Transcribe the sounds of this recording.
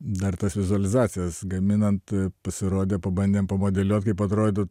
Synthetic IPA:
d̪ɐrt̪ɐsʋʲɪzʊɐlʲɪzɑːt͡ssʲɪjɛsɡɐmʲɪnɐnt̪pɐsʲɪɾoːd̪ʲeːpɐbɐnʲd̪ʲeːmpɐmoːd̪ʲɛlʲuɔt̪kɐɪpɐt̪ɾoːd̪ʲo

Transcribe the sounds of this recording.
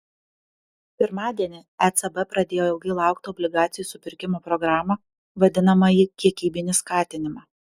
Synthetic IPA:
pʲɪɾmɑːd̪ʲiɛnʲɪɛt̪sɛbɛpɾɐd̪ʲeːjoɛlˠɡʲɐɪlˠɑˑʊkt̪ɪɔbʲlʲɪɡɑːt̪sʲɪjuːˑsʊpʲɪɾʲkʲɪmoːpɾɔɡɾɑːmɐ | ʋɐd̪ʲɪnɐmɐjikʲiɛkʲiːbʲɪnʲɪskɑːt̪ʲɪnʲɪmɑː

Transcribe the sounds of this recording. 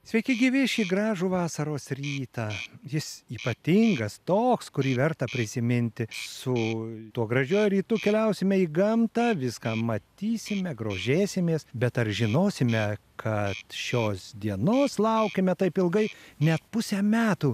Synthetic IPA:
sʲʋʲɛɪkʲɪɡʲiːʋʲɪʃʲiːɡɾɑːʒuːʋɑːsɐɾoːsɾʲiːt̪ɑːjɪsiːpɐt̪ʲɪŋɡɐst̪oːkskʊɾʲiːʋʲɛɾt̪ɐpʲɾʲɪsʲɪmʲɪnʲt̪ʲɪsʊt̪uɔɡɾɐʒʲuːjʊɾʲiːt̪ʊkʲɛlʲɛʊsʲɪmʲɛiːɡɐmt̪ɑːʋʲɪskɑːmɐt̪ʲiːsʲɪmʲɛɡɾoːʒʲeːsʲɪmʲeːsbʲɛt̪ɐrʒʲɪnoːsʲɪmʲɛkʰɐt̪ʃʲoːsd̪ʲiɛnoːslˠɐʊkʲemʲɛt̪ɐɪpɪlˠɡɐɪnʲɛt̪pʊsʲɛmʲæːt̪uː

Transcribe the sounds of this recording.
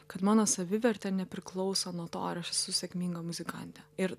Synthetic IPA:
kɐt̪mɑːnoːsɐʋʲɪʋʲɛɾʲt̪ʲɛnʲɛpʲɾʲɪklˠɒʊsonuɔt̪o̰ːɪɾɐʃɛsʊsʲɛkmʲiːŋɡɐmʊzʲɪkɑ̰ˑnʲt̪ʲɛɪɾ

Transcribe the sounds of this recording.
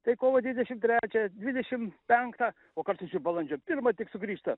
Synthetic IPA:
t̪ɐɪkoːʋɐd̪ʲʋʲɪd̪ʲɛʃʲɪmt̪ʲɾʲæːt͡ʃʲɛd̪ʲʋʲɪdʲɛʃʲɪmpʲɛŋkt̪ɑ | oːkɐɾsʊsʲɪbɐlˠɐnʲd͡ʒʲoːpʲɪrmɐt̪ʲɪksʊɡɾʲiːʃt̪ɐ

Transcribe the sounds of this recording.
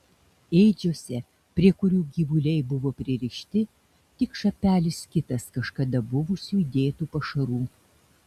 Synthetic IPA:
eːɪd͡ʒʲoːsʲɛ | pʲɾʲiɛkʊɾʲuːɡʲiːʋʊlʲɛɪbʊʋoːpʲɾʲɪɾʲɪʃʲt̪ʲɪ | t̪ʲɪkʃɐpʲæːlʲɪskʲɪt̪ɐskɐʃkɐd̪ɐbʊʋʊsʲuːd̪ʲeːt̪uːpɐʃɐɾuː

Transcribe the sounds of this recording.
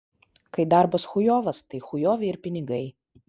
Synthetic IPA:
kɐɪd̪ɑˑɾbɐsxʊjoːʋɐst̪ɐɪxʊjoːʋʲɛɪɾpʲɪnʲɪɡɐɪ

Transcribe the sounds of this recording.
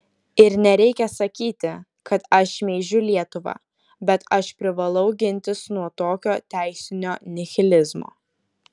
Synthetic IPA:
ɪɾnʲɛɾʲɛɪkʲɛsɐkʲiːt̪ʲɪ | kɐt̪ɐʃmʲeɪʒʲʊlʲiɛt̪ʊʋɑ̰ː | bʲɛt̪ɐʃpʲɾʲɪʋɐlˠɐʊɡʲɪnʲt̪ʲɪsnuɔt̪oːkʲoːt̪ʲæˑɪsʲɪnʲoːnʲɪxʲɪlʲɪzmo̰ː

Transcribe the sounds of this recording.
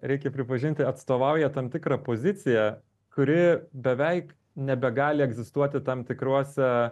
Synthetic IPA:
ɾʲɛɪkʲɛpʲɾʲɪpɐʒʲɪnʲt̪ʲɪɐt̪st̪oːʋɐʊjɛt̪ɐmt̪ʲɪkɾɑpoːzʲɪt̪sʲɪjɛ | kʊɾʲɪbʲɛʋʲɛɪk | nʲɛbʲɛɡɑːlʲɪɛɡzʲɪst̪uɔt̪ʲɪt̪ɐmt̪ʲɪkɾuɔsʲɛ

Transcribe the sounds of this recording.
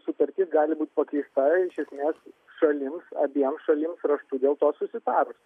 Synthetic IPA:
sʊt̪ɐɾʲt̪ʲɪsɡɑːlʲɪbuːt̪̚ʲpɐkʲɛɪst̪ɐɪʃʲɛsʲmʲeːs | ʃɐlʲɪmsɐbʲiɛmsʃɐlʲɪmsɾɐʃt̪ud̪ʲeːlˠt̪oːsʊsʲɪt̪ɑːɾʊs

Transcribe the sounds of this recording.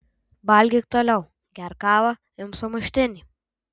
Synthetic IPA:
bɑlʲɡʲɪk̚t̪oːlʲɛʊ | ɡʲæɾkɑːʋɐ | ɪmsʊmʊʃʲt̪ʲɪnʲi

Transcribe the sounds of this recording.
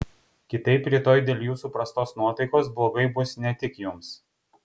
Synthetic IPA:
kʲɪt̪ɐɪpɾʲiɛt̪oːjd̪ʲeːlʲjuːsupɾɐst̪oːsnuɔt̪ɐɪkoːs̬blˠoːɡɐɪbʊsnʲɛt̪ʲɪkjʊms

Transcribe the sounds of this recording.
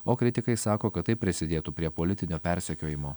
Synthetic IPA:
oːkɾʲɪt̪ʲɪkɐɪsɑːkoːkɐt̪t̪ːɐɪpʲɾʲɪsʲɪd̪ʲeːt̪upʲɾʲiɛpoːlʲɪt̪ʲɪnʲoːpʲɛɾʲsʲɛkʲoːjɪmoː

